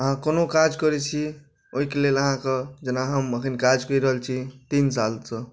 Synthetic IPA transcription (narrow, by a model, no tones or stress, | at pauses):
əɦãkənokad͡ʒkʌɾɛt͡ʃʰi | oɦikeleləɦãkəd͡ʒənaɦəməkʰənkad͡ʒkʌiɾəɦəlt͡ʃʰit̪insalsʌ